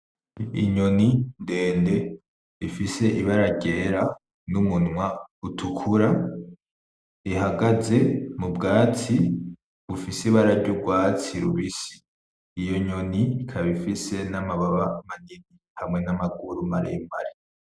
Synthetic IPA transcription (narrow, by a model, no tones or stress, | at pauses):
ḭɲo̞ninde̞ːnde̞ | ifise̞ʔiβaɾaɟe̞ːɾa | numunwautʰukʰuɾa | iɦaɡaze̞mubɡaːt͡si | βufisiβaɾaɾɟuɡwaːt͡siɾuβisi̥ː | jo̞ɲo̞nikʰaβifise̞namaβaβamanini | hamŋe̞namaɡuɾumaɾḭjima̰ɾi